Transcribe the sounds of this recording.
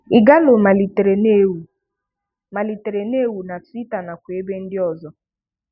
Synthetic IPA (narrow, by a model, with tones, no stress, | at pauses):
ɪ˨ɡa˦lo˨ma˨li˨te˨ɾe˨ne˦u˨ | ma˨li˨te˨ɾe˨ne˦˨wu˨na˨tʊ˦i˦ta˨na˨kʷe˨e˦be˦n̩˦dɪ˦ɔ˨zɔ˦